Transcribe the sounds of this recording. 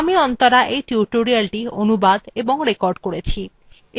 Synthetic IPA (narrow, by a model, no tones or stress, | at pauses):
amiɔnt̪ɔɾaʔejʈjuʈoɾialʈionubad̪eboŋɾekɔɾɖkoɽet͡ɕʰi | e